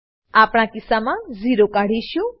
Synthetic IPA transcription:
apɳ̃akɪsamãziɾokaɽ̤iʃjũ

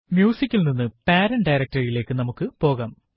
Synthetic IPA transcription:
mjuːsikʲːilninːɨpaːɾɐnɖɐjɾɐk̚ʈɐrile̞ːkːɨnɐmukːɨpo̞ːɣaːm

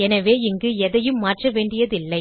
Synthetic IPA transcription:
ɛnɐʋeːɪŋɡɯɛðɐjɯmːaːʈrɐʋeːɳɖɪjɐðɪlːɐɪ

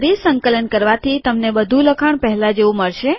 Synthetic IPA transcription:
ɾisəŋkələnkəɾʋat̪ʰit̪əmnebəd̪ʱũləkʰəɳ̃pəɦɛlad͡ʒeʋũməɭʃe

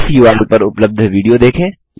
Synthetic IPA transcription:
sjuːaːlupəɾʊpləb̚d̪ʱʋiːɖijod̪eːkʰẽː

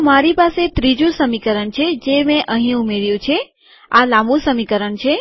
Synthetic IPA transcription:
maɾipaset̪ɾid͡ʒũsəmikəɾəɳt͡ʃʰed͡ʒemẽʔəɦĩumeɾjũt͡ʃʰe | alãmbũsəmikəɾəɳt͡ʃʰe

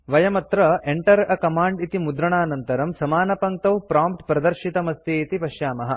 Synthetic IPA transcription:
ʋɐjɐmɐt̪ɾɐʔeɳʈɐɾɐkɐmaːɳɖit̪imud̪ɾɐɳaːnɐnt̪ɐɾɐmsɐmaːnɐpɐŋt̪ɐwpɾaːmpʈpɾɐd̪ɐɾʃit̪ɐmɐst̪iit̪ipɐʃjaːmɐɦɐ

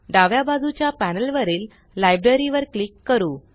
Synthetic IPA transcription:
ɖaʋjabad͡zʱut͡ɕjapænəlʋəɾiːlː | ajbɾəɾiʋəɾklikːəɾuː

